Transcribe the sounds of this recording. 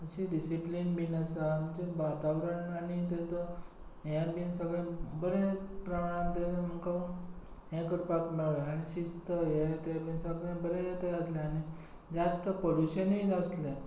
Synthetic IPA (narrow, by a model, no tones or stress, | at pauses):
əɕiɖisiplinbinəsam̤əɳd͡ʑebat̪aʋɾəɳañit̪̬at͡sə | ɦjabinsəɡɭãbəɾepɾəmaɽ̃ãt̪ɛt͡səm̤əkə | ɦẽkəɾpakmiɭɭeaɽ̃iɕist̪əjet̪ebinsəɡɭjãbəɾejet̪eəslẽani | d͡ʑast̪əpoluɕəniəsle